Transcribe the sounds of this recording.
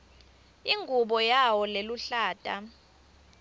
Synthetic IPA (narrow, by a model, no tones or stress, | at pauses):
iŋɡʱuɓɔjawɔleluɬaːtʼa